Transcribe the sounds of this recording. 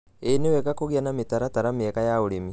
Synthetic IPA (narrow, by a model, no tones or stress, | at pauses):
enewekakoɣianamit̪aɾat̪aɾamiekajauɽimi